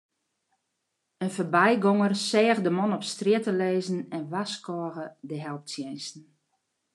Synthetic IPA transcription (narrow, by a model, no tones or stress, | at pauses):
ənfərbɛjɡɔŋərsɛːɣdəmɔnɔpstrjɪtəleːzn̩ɛnʋaskɔːɣədəɦɛlˠp̚sjɛjnsn̩